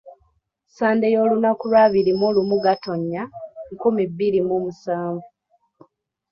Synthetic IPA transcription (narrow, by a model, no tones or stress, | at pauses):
saːndejo̞ːlunakulwaːβiɾimolumuɡato̞ɲːaŋkumibːiɾimumusaːɱvu